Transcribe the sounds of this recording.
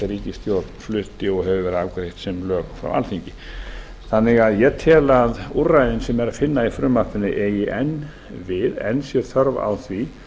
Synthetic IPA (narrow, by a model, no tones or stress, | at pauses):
ɛɾiːcɪst̪jowɾt̪nflʏht̪ɪɔɣɦɛvʏvɛːɾawkɾejht̪sɛmlœːɣfɾa̰wʔa̰lθiɲcɪ | θanːɪɣaðjɛt̪ʰɛːlaðurajðɪnsɛmɛɾaðfɪnːaifɾʏmːarp̪ɪnːɪʔɛjɪʔɛn | vɪðɛ̰nːsjɛɾθœɾva̰wθvi